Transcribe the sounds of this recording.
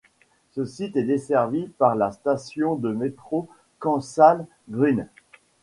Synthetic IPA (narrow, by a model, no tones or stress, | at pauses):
səsit̪ɛd̪esɛʁvipaʁlast̪asjɔ̃d̪əmet̪χo | kɑ̃sal | ɡʁyn